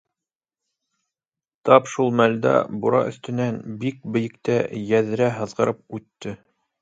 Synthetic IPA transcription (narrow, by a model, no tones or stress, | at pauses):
t̪ɑpʃulˠmæld̪æ̰buɾɑ̰ʔɵ̆θt̪ɘ̆nænbik̚bɘ̆jɘ̆kt̪æjæðɘ̆ɾæɦɤ̆ðʁɤ̆ɾʔɤp̚ʉt̪ːɘ